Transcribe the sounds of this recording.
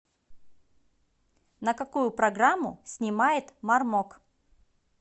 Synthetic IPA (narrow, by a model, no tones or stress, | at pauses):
nəkɐkujʊpɾɐɡɾamːʊsʲnʲɪmajɪt̪marmok